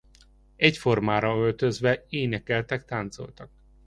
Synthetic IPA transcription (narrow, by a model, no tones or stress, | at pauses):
ɛcfo̞rmaːɾɒølt̪øzʋɛeːnɛkɛlt̪ɛk̚t̪aːnt̪so̞̰lt̪ɒk